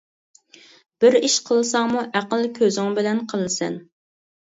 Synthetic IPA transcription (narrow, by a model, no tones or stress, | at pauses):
b̥ɪɾiʃqʰəlˠɨsɑŋmuʔæqəlˠkʲʰøzɪŋbɪlɛnqʰəlˠɨsɛ̰n